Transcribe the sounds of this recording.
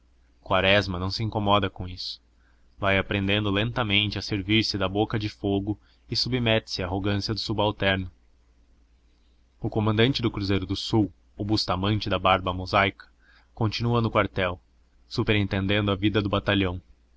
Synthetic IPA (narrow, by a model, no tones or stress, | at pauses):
kwaɾɛzmɐnɐ̃w̃sɪĩŋkomɔd̪ɐkõisʊ̥ | vajapɾẽnd̪ẽnd̪ʊlẽnt̪ɐmẽnt͡ʃɪɐseɾviɾsɪd̪ɐbokɐd͡ʒɪfoɡʊ | ɪsubimɛt̪ɪ̥sɪaːɦoɡɐ̃siɐd̪ʊsubawt̪ɛɾnʊ | ʊkomɐ̃nd̪ɐ̃nt͡ʃɪd̪ʊkɾuzejɾʊd̪ʊsuw | obust̪amɐ̃nt͡ʃɪd̪ɐbaɾbɐmozajkɐ̥ | kõnt͡ʃinuɐnʊkwaɾt̪ɛw | supeɾẽnt̪ẽnd̪ẽnd̪ʊɐvid̪ɐd̪ʊbat̪aʎɐ̃w̃